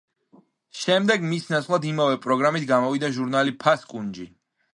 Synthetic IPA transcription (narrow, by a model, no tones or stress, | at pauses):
ʃɛmd̪ɛɡmisnat̪sʰχlˠad̪imavɛpʼɾɔɡɾamit̪ʰɡamɔvid̪aʒuɾnalipʰaskʼund͡ʒi